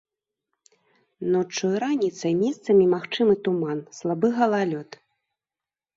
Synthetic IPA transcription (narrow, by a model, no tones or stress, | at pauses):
nɔt͡ʂːɔjɾanʲit̪sɐjmʲɛst̪sɐmʲimaxt͡ʂɨmɨt̪umanslˠabɨɣɐlˠalʲɔt̪